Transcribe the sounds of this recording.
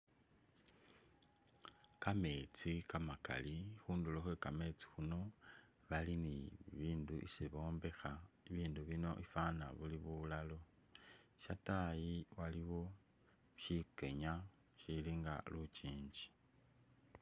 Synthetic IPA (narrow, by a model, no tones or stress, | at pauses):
kame̞t͡sikamaka̰lixuːnduloxwe̞kame̞t͡si̥xuno̞ | βaliniβiːnduʔḭsiβo̞ːmbe̞xaiβiːnduβino̞̰ʔifana̰βuliβulalo̞ | ʃatajiwaliβo̞ | ʃike̞ɲa | ʃiliŋɡa̰lut͡ʃiːɲd͡ʒi̥